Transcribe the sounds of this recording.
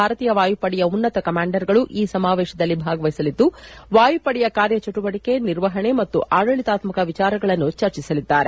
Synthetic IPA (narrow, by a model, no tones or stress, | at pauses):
aːɾɐt̪iːjɐʋaːjupɐɽɛjɐunːɐt̪ɐkɐmaːɳɖɐɾɡɐɭuʔiːsɐmaːʋɛːʃɐd̪ɐlːibʱaːɡɐʋɐjsɐlid̪ːuʋaːjupɐɽɛjɐkaːɾjɐt͡ʃɐʈuʋɐɽike̞niɾʋɐɦɐɳe̞mɐt̪ːuʔʔaːɽɐɭit̪aːt̪mɐkɐʋit͡ʃaːɾɐɡɐɭɐnːut͡ʃɐɾt͡ʃisɐlid̪ːaːɾe